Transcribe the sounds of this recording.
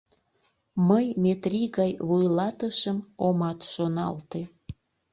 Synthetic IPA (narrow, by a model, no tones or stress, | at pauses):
məjmet̪riɣɑjβujlɑt̪əʃəmomɑt̪ʃonɑ̰lt̪e